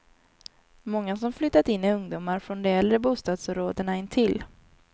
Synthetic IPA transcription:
mɔŋːasɔmflʏt̪ːat̪ɪnːɪɵŋd̪ʊmːaɾfɾɔnd̪ɛɛlɾəbuːst̪ɑːd̪sɔmɾoːd̪əɳaɪnːt̪ʰɪl

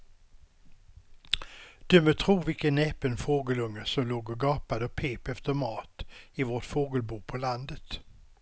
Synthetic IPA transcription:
d̪̥ɵmøt̪ʰɾuːvɪlkənːɛːpənfoːɡəlɵŋːəsɔmloːɡɔɡɑːpad̪əɔpʰeːpɛft̪əɾmɑːt̪ɪvoːʈfoːɡəlbuːpʰɔland̪ət̪

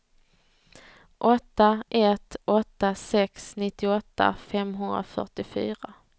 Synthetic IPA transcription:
ʔɔt̪ːaʔɛt̪ʔɔt̪ːasɛksnɪt̪ːɪɔt̪ːa̰fɛmɦɵnd̪ɾa̰fœ̰ʈɪfy̰ːɾa

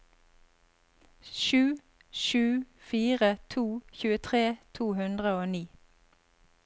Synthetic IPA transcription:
ʃʉː | ʃʉːfiːʁət̪ʰuːçʉːət̪ʰʁeːt̪ʰuːhʉnd̪ʁəoːniː

